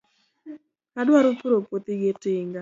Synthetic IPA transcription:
kadwaɾʊpuɾopwot̪ɪɡɪtɪŋɡa

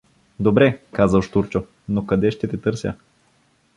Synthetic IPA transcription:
d̪obɾɛkazəʃt̪uɾt͡ʃo | nokɐd̪ɛʃt̪ɛt̪ɛt̪ɤɾsʲə̰

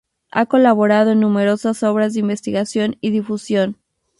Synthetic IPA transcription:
a̰ko̞laβo̞ɾað̞o̞enːũme̞ɾo̞saso̞β̞ɾazðeimbe̞st̪iɣasjo̞niðifusjo̞n

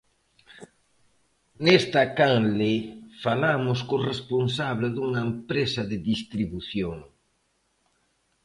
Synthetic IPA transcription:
nest̪ɐkaŋlefalamʊskʊresponsaβleðuŋɐempɾesɐðɪðist̪ɾiβuθjoŋ

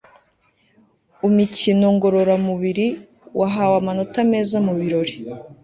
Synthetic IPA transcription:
umicino̞ŋɡo̞ɾo̞ɾamuβiɾi | wʔaɦawamano̞tame̞ːzamuβiɾo̞ɾi

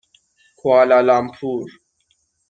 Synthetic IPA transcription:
kwaːlalampʰuːɾ

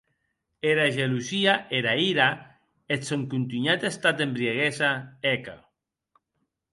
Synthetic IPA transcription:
eɾaʒelusiaʔeɾaiɾa | et̪soŋkunt̪yɲat̪est̪at̪embɾieɣesaeka̰

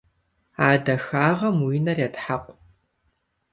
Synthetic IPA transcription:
aːdɐxaːʁɐmwiːnɐrjatħaqʷʼ

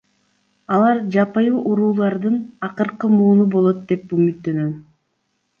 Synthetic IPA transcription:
ɑlˠɑɾd͡ʒɑpɯjuːʔuɾuːlˠɑɾd̪ɯnɑqɯɾqɯmuːnubo̞lˠo̞t̪̚d̪e̞pymyt̪ːø̞nøn

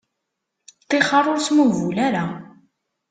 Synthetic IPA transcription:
t̪ːɪχɑɾˤoɾsmuvulaɾa

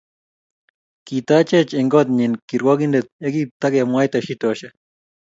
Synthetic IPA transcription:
kit̪at͡ʃet͡ʃeŋɡot̪̚ɲinkiɾwoɡind̪et̪̚eɡip̚t̪aɡemwajt̪ɐʃit̪oɕɐ

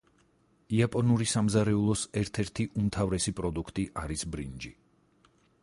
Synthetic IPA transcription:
iapʼɔnuɾisamzaɾɛulˠɔsɛɾt̪ʰɛɾt̪ʰiʔumt̪ʰavɾɛsipʼɾɔd̪ukʰt̪ʼiʔaɾisbɾind͡ʒi

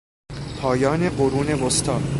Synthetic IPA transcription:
pʰɒːjɒːne̞ɢoɾuːnevost̪ʰɒːd̪

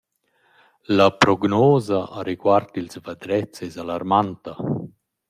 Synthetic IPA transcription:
lapɾɔɡnɔːzaʔaɾiɡwart̪ilsvad̪ɾɛt͡sːɛzalarmant̪a

